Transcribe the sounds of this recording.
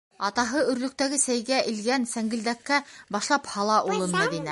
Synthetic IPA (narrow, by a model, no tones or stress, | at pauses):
ɑt̪ɑɦɤɵ̆ɾlɵ̆k̚t̪æɡɘsæjɡæʔɘ̆lɡænsæŋɡɘ̆ld̪ækːæbɑʃlˠɑphɑlˠɑʔulˠɤnmæðinæ